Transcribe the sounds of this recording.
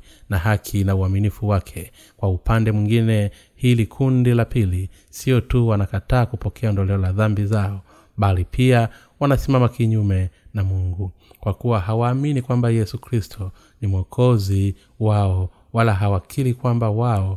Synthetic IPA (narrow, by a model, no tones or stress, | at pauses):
naɦakʰinauaminifuwakʰɛ | kwaupandɛmwiŋɡinɛ | hilikʰundilapili | siɔtuwanakataːkupɔkʰɛandɔlɛɔlaðambizaɔ | ɓalipʰia | wanasimamakiɲumɛnamuŋɡu | kwakuwaɦawaːminikwambajɛsukɾistʰɔ | nimɔkʰɔzi | waɔ | walaɦawakʰilikwambawaɔ